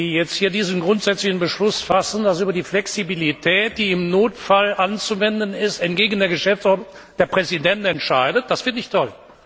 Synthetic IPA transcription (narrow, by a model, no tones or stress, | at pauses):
iːjɛt͡sthiːɐdiːzn̩ɡʁʊntz̥ɛt͡slɪçn̩bəʃlʊsfasn̩dasʔyːbɐdiːflɛksibilitʰɛːt̚d̥iːɪmnoːtfalʔant͡suvɛndənɪstɛntɡ̥eːɡən̩deːɐɡəʃɛft͡sʔɔɐtnʊŋ | d̥eːɐpʁ̥ɛzidɛntnɛntʃaɪdət̚d̥asv̥ɪɐtnɪçtʰɔl